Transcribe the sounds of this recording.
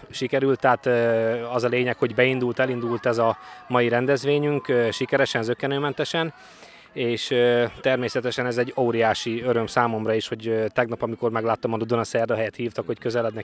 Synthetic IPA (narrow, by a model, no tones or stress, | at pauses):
ʃikɛɾylt̪ːaːt̪ːɒzɒleːɲɛkho̞ɟbɛind̪ult̪ɛlind̪ult̪ɛzɒmɒjiɾɛnd̪ɛzʋeːɲyŋkøʃikɛɾɛʃɛnzøkːɛnøːmɛnt̪ɛʃɛn | eːʃøt̪ɛrmeːsɛt̪ɛʃɛnɛzɛɟːoːɾijaːʃiøɾø̞msaːmo̞mrɒiːʃho̞ɟt̪ɛɡnɒpɒmiko̞rmɛɡlaːt̪ːɒmɒd̪od̪onɒsɛrd̪ɒɦɛjɛt̪hiːft̪ɒkho̞ckø̞zɛlɛd̪nɛ